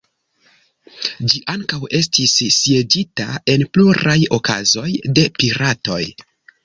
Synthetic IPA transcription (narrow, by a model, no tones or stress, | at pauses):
d͡ʒiʔaŋkawe̞stisːje̞d͡ʒitae̞npluɾajokʰa̰zo̞jde̞piɾato̞̰j